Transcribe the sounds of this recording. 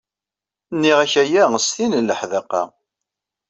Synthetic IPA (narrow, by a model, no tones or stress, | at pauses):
nːiʁæçæjæəst̪inəlːəħðæqɑ̰